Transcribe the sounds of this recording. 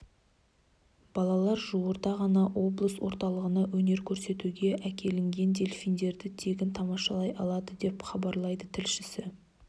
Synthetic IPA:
b̥ɑlˠɑlˠɑɾʒuwəɾd̪ɑʁɑnɑʔwo̞blˠəswo̞ɾt̪ɑlˠəʁənɑwɵne̞ɾkʲʰɵɾse̞t̪uɡʲe̞ʔækʲʰe̞lɪŋɡʲe̞nd̪e̞lfijnd̪e̞ɾd̪ɪt̪ʰe̞ɡʲɪnt̪ʰɑmɑʃɑlˠɑjʔɑlˠɑd̪əd̪e̞pχɑbɑɾlˠɑjd̪ət̪ʰɪlʃɪsɪ

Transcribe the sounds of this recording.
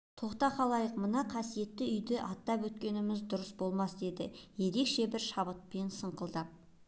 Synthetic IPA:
t̪ʰo̞qt̪ɑqʰɑlˠɑjəqmənɑqʰɑsije̞t̪ːɪʏjd̪ɪʔɑt̪ːɑpwɵt̪̚kʲe̞nɪmɪzd̪ʊɾəsbo̞lˠmɑsd̪e̞d̪ɪje̞ɾe̞kʃe̞bɪɾʃɑbət̪̚pe̞nsəɴqəlˠd̪ə

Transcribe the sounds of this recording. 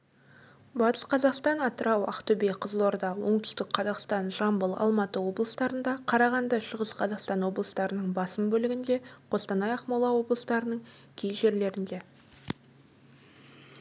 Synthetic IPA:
bɑt̪ə̥sqʰɑzɑqst̪ɑnɑt̪əɾɑwɑ̰qt̪ɵbejqʰəzəlˠoɾd̪ɑwo̞ɴt̪ʏ̥st̪ɪkqʰɑzɑqst̪ɑnʒɑmbəlˠɑ̰lˠmɑt̪əwo̞blˠəst̪ɑɾənd̪ɑqʰɑɾɑʁɑnd̪ɑʃəʁəsqʰɑzɑqst̪ɑnwo̞blˠəst̪ɑɾənəɴbɑsəmbɵlɪɡʲɪnd̪e̞qʰo̞st̪ɑnɑjɑqmɑlˠɑwo̞blˠəst̪ɑɾənəɴ | kʲʰejʒe̞ɾle̞ɾɪnd̪e̞

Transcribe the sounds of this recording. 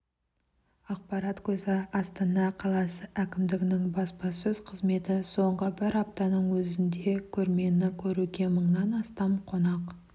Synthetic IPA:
ɑq̚pɑɾɑt̪kʲʰɵzɪɑst̪ɑnɑqʰɑlˠɑsəʔækʲɪmd̪ɪɡʲɪnɪŋbɑspɑsɵz̥qʰəzme̞t̪ɪso̞ɴʁəbɪɾɑp̚t̪ɑnəɴwɵzɪnd̪e̞kʲʰɵɾme̞nɪkʲʰɵɾukʲe̞məɴnɑnɑst̪ɑmqʰo̞nɑq

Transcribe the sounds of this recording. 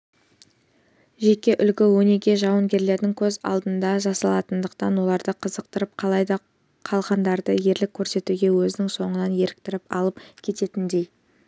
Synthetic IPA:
ʒe̞kʲe̞ʔʏlɡʲɪwɵne̞ɡʲe̞ʒɑwəŋɡʲe̞ɾle̞ɾd̪ɪŋkʲʰɵzɑ̰lˠd̪ənd̪ɑʒɑsɑlˠɑt̪ənd̪əqt̪ɑnwo̞lˠɑɾd̪əqʰəzəqt̪əɾəp̚qʰɑlˠɑjd̪ɑ | qʰɑlˠʁɑnd̪ɑɾd̪əje̞ɾlɪkʲʰːɵɾse̞t̪uɡʲe̞wɵzɪnɪŋso̞ɴənɑnje̞ɾɪk̚t̪ɪɾɪpɑ̰lˠəp̚kʲʰe̞t̪e̞t̪ɪnd̪e̞j

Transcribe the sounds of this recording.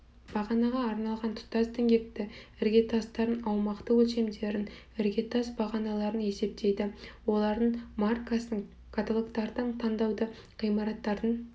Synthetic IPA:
b̥ɑʁɑnɑʁɑːɾnɑlˠʁɑnt̪ʰʊ̥t̪ɑst̪eŋɡʲe̞k̚t̪ɪɪɾɡʲe̞t̪ʰɑst̪ɑɾənɑwmɑqt̪əwɵlʃe̞md̪e̞ɾɪn | ɪɾɡʲe̞t̪ʰɑsbɑʁɑnɑlˠɑɾəne̞se̞p̚t̪e̞jd̪ɪwo̞lˠɑɾd̪əɴmarkasəɴ | kʰat̪olˠokt̪ɑɾd̪əɴt̪ʰɑnd̪ɑwd̪ə | qijmɑɾɑt̪ːɑɾd̪əɴ

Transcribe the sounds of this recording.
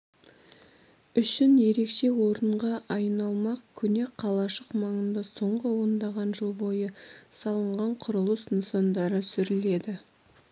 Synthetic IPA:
ʏʃɪnje̞ɾe̞kʃe̞wo̞ɾəɴʁɑʔɑjnɑlˠmɑqkʲʰɵne̞qʰːɑlˠɑʃəqmɑɴənd̪ɑso̞ɴʁəwond̪ɑʁɑnʒəlˠbo̞jəsɑlˠəɴʁɑɴqʰʊɾəlˠəsnəsɑnd̪ɑɾəsʏɾɪle̞d̪ɪ

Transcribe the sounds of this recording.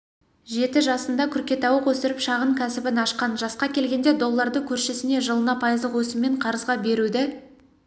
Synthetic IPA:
ʒe̞t̪ɪʒɑsənd̪ɑkʲʰʏɾkʲe̞t̪ɑwəqwɵsɪɾɪpʃɑʁəɴkʲʰæsɪbɪnɑʃqɑnʒɑsqɑkʲʰe̞lɡʲe̞nd̪e̞d̪o̞lˠːɑɾd̪əkʲʰɵɾʃesɪne̞ʒəlˠənɑpʰɑjəzd̪əqwɵsɪmːe̞ɴqʰɑɾəzʁɑbe̞ɾud̪ɪ

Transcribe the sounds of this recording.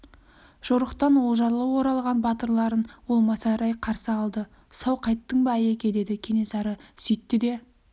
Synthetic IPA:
ʒ̥oɾəqt̪ɑnwo̞lˠʒɑɾlˠəwo̞ɾɑlˠʁɑnbɑt̪əɾlˠɑɾənwo̞lˠmɑsɑɾɑjqʰɑɾsəɑlˠd̪ə | sɑwqʰɑjt̪ːəɴbɑæjekʲed̪e̞d̪ɪkʲʰe̞ne̞sɑɾəsʏjt̪ːɪd̪e̞

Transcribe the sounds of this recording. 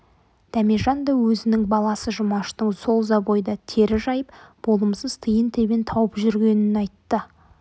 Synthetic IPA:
d̪̥æmeʒɑnd̪ɑwɵzɪnɪŋbɑlˠɑsəʒʊmɑʃt̪əɴso̞lˠzɑbojd̪ɑt̪ʰe̞ɾɪʒɑjəpb̥o̞lˠəmsəz̥t̪ʰəjənt̪ʰe̞bʲent̪ʰɑwəpʒʏɾɡʲe̞nɪnɑjt̪ːə

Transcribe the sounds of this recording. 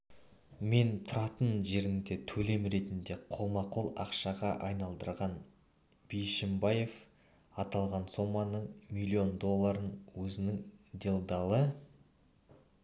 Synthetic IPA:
me̞nt̪ʰʊɾɑt̪ənʒe̞ɾɪŋd̪e̞t̪ʰɵle̞mɾe̞t̪ɪnd̪e̞qʰolˠmɑqʰo̞lˠɑqʃɑʁɑʔɑjnɑlˠd̪əɾʁɑn | b̥ijʃɪmbɑje̞f | ɑt̪ɑlˠʁɑnso̞mːɑnəɴmilʲːio̞nd̪o̞lˠːɑɾənwɵzɪnɪŋd̪e̞lˠd̪ɑlˠə

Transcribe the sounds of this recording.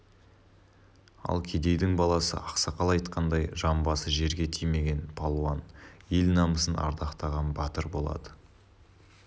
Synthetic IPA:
ɑ̰lˠkʲʰe̞d̪e̞jd̪ɪŋbɑlˠɑsə̰ʔɑqsɑqɑlˠɑjt̪qɑnd̪ɑjʒɑmbɑsəʒe̞ɾɡʲe̞t̪ʰijme̞ɡʲe̞npʰɑlˠuɑnjelnɑməsənʔɑ̰ɾd̪ɑqt̪ɑʁɑnbɑt̪əɾbo̞lˠɑ̰d̪ə

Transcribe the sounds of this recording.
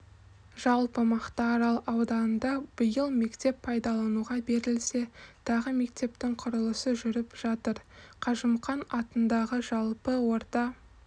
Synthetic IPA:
ʒ̥ɑlˠpəmɑqt̪ɑːɾɑlˠʔɑwd̪ɑnənd̪ɑb̥əjəlˠme̞kt̪e̞pʰɑjd̪ɑlˠɑnuʁɑbe̞ɾɪlse̞t̪ʰɑʁəme̞kt̪e̞pt̪ɪŋqʰʊɾəlˠəsəʒʏɾɪpʒ̥ɑt̪əɾqʰɑʒəmqɑnɑt̪ənd̪ɑʁəʒɑlˠpəwo̞ɾt̪ɑ

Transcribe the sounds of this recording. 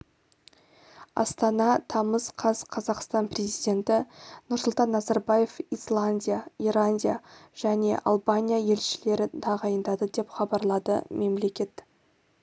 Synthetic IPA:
ɑ̰st̪ɑnɑt̪ʰɑməz̥qʰɑzqʰɑzɑqst̪ɑnprʲe̞zijd̪ʲe̞nt̪ɪnʊɾsʊlˠt̪ɑnːɑzɑɾbaje̞fislˠanʲdʲijairˠanʲdʲijaʒ̥æne̞̰ʔɑ̰lˠbanʲijaje̞lʃɪle̞ɾɪt̪ʰɑʁɑjənd̪ɑd̪əd̪e̞pχɑbɑɾlˠɑd̪ə̰me̞mle̞kʲe̞t̪

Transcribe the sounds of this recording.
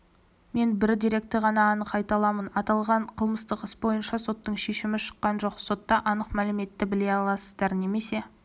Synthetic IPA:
me̞nbɪɾd̪iɾe̞k̚t̪ːeʁɑnɑːnəqɑjt̪ɑlˠɑmənɑt̪ɑlˠʁɑɴqʰəlˠməst̪əqɪsbo̞jənʃɑso̞t̪ːəɴʃe̞ʃɪmɪʃə̥qːɑnʒo̞qso̞t̪ːɑʔɑnəqmælɪme̞t̪ːɪbɪle̞jɑlˠɑsəzd̪ɑɾne̞me̞se̞

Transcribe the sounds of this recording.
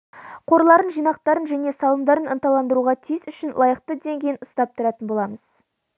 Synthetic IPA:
qʰo̞ɾlˠɑɾənʒijnɑqt̪ɑɾənʒæne̞sɑlˠəmd̪ɑɾənənt̪ɑlˠɑnd̪əɾuʁɑt̪ʰijɪsʏʃɪnlˠɑjəqt̪əd̪e̞ŋɡʲejɪnʊst̪ɑp̚t̪ʰʊɾɑt̪ənbo̞lˠɑməz̥

